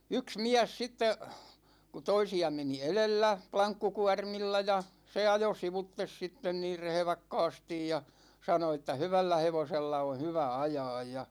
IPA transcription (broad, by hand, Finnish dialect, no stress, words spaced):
yks miæs sitːe ku toisiɑ meni elelːæ plɑŋkːukuɑrmilːɑ jɑ se ɑjo siʋutːes sitːen niːr rehĕʋɑkːɑːstij jɑ sɑno etːæ hyʋælːæ heʋoselːɑ on̞ hyʋæ ɑjɑːj jɑ